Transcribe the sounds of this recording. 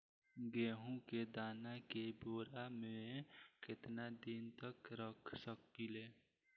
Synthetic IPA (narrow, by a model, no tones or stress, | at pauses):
ɡeːɦũked̪aːnakeboːɾamẽkɪt̪nad̪ɪnt̪əkɾəkʰsək̚ːileː